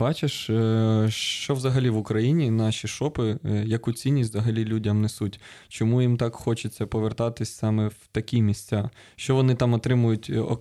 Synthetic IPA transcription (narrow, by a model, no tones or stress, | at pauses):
bɑt͡ʃeʃ | ʃt͡ʃɔʋzɐɦɐlʲiʋʊkɾɐjinʲinɑʃʲiʃɔpɪjɐkut͡sʲinʲːisʲtʲzɐɦɐlʲilʲudʲɐmnesutʲt͡ʃɔmujimt̪ɑkxɔt͡ʃɪt͡sʲːɐpɔʋert̪ɑt̪ɪsʲsɑmɛwt̪ɐkʲimʲisʲt͡sʲɑʃt͡ʃɔʋɔnɪt̪ɑmɔt̪ɾɪmʊjʊtʲɔ̰